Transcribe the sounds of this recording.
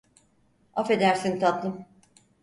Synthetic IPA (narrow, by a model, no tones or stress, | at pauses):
afe̞d̪æɾsint̪ʰat̪lˠɯm